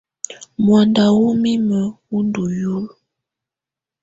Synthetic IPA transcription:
mwa˨nda˨wu˦mi˦mə˨wu˦ndu˨ju˦l

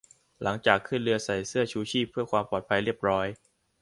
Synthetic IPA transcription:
la˩˦ŋt͡ɕaː˨˩kʰːɯ˥˩nɾɯ˧ɐsa˨˩jsɯ˥˩ɐt͡ɕʰuː˦˥t͡ɕʰiː˥˩pʰːɯ˥˩ɐkʰwaː˧mpɔː˨˩t̪̚pʰa˧jɾi˥˩əp̚ɾɔː˦˥j

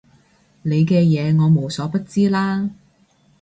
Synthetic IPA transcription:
le˨˧jkɛː˧jɛː˨˧ŋɔː˨˧mo˨˧wsɔː˨˥pɐ˥t̚t͡siː˥laː˥

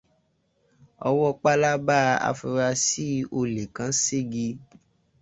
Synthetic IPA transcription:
ɔ̰˧wɔ˦k͡pa˦la˦ba˦a̰˧fu˧ɾa˧si˦o˧le˨kã˨˦se˦˨ɡi˧

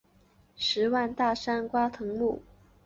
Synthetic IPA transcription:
ʂɻ̩˧˥wa˥˧nt̪a˥˩ʂa˥nkwa˥t̪ʰɤ˧˥ŋmu˥˩

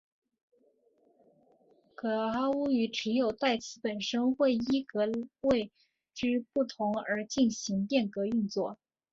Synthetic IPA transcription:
kɤ˨˩a˥u˥y˧˥ʈ͡ʂɻ̩˧˥jo˨˩ʊt̪a˥˩ɪt͡ɕʰi˧˥pə˨˩nʂə˥nxwe˥˩ɪi˥kɤ˧˥we˥˧ɪ | ʈ͡ʂɻ̩˥pu˥˩t̪ʰʊ˧˥ŋə˞˧˥t͡ɕi˥˩nɕi˧˥ŋpjɛ˥˩nkɤ˧˥y˥˧nt͡swɔ˥˩

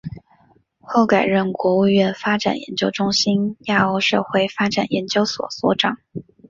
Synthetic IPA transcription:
xo˥˩ʊka˨˩ɪɻə˥˩nkwɔ˧˥u˥˧ɥɛ˥˩nfa˥ʈ͡ʂa̰˨˩njɛ̰˧˥nt͡ɕjo˥ʊʈ͡ʂʊ˥ŋɕi˥nja˥˩o˧˥ʊʂɤ̰˥˧xwe˥˩ɪfa˥ʈ͡ʂa˨˩njɛ˧˥nt͡ɕjo˥ʊswɔ̰˨˩swɔ˧˥ʈ͡ʂɑ˨˩˦ŋ

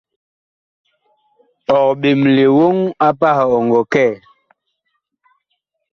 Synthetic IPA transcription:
ɔ˨k̚ɓe˨mle˨wo˦ŋa˦pa˦hɔ˨ŋɡɔ˨kɛ˦˨

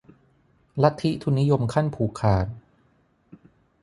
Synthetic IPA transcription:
la˦˥t̪ʰːi˦˥t̪ʰu˧nːi˦˥jo˧mkʰa˥˩npʰuː˨˩kʰaː˨˩t̪̚

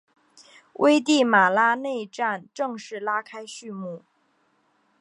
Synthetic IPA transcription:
wʔe˥ɪt̪̬i˥˩ma˨˩la˥ne˥˧ɪʈ͡ʂa˥˩nʈ͡ʂɤ˥˧ŋʂɻ̩˥˩la˥kʰa˥ɪɕy˥˧mu˥˩

